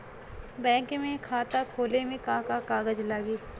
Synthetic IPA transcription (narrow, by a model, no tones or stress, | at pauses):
bɛ̃ːkmẽkʰaːt̪akʰoːlemẽkãːkakaːɡəd͡ʒlaːɡiː